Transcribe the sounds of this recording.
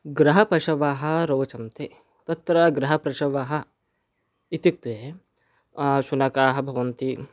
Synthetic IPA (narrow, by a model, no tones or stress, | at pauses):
ɡɾɐɦɐpɐʃɐʋaːɦɐ̆ɾoːt͡ʃɐnt̪e | t̪ɐt̪ɾɐɡɾɐɦɐpɾɐʃɐʋaɦɐ̆ | it̪ik̚t̪ue | ʃunɐkaːɦɐ̆bʱɐʋɐnt̪i